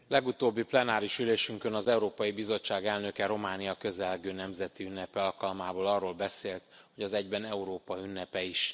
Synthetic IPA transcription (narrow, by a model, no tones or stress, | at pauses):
lɛɡut̪oːbːiplɛnaːɾiʃyleːʃyŋkønɒzɛuɾoːpɒjibizo̞t͡ʃːaːɡɛlnø̞kɛɾo̞maːnijɒkø̞zɛlɡøːnɛmzɛt̪iynːɛpɛɒlkɒlmaːboːlɒrːoːlbɛseːlt̪ho̞ɟɒzɛɟbɛnɛuɾoːpɒiynːɛpɛiʃ